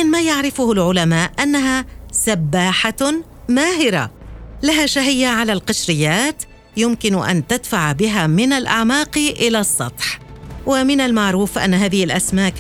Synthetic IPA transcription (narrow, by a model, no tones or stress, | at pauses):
aɪnmaːjaʕɾɪfʊhʊlʕʊlamaːʔʔanːaɦasabːaːħa | maːɦɪɾa̰laɦaʃaɦɪjːaʕalalqɑʃɾɪjːaːt̪ | jʊmkɪnʔa̰nt̪ad̪faʕbɪɦaːmɪnalʔa̰ʕmaːqʔɪlasˤːɑt̪ˤħwɪmɪnalmaʕɾuːfʔa̰nːaɦaːðɪhɪlʔasmaːk